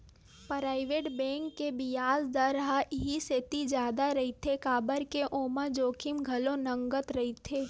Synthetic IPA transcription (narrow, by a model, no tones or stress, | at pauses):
pɾaːɪʋeːʈbɛ̃ːŋkːebɪjaːzd̪əɾɦaʔɪɦiset̪id͡ʒjaːd̪aɾɐɦit̪ʰekaːbəɾkeʔoːmad͡ʒoːkʰɪmɡʱɐlõnɐ̃ŋɡət̪ɾɐɦit̪ʰeː